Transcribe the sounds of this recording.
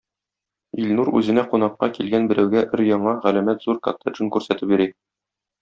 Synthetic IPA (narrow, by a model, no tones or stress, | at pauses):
ilnuɾʉ̰zɘ̆næqunɑqːɑkilɡænbɘ̆ɾæwɡæʔɘɾjɒɴɑʁælæmæt̪z̥uɾkɑ̰t̪ːaʒɤnkʉɾsæt̪ɘp̚biɾi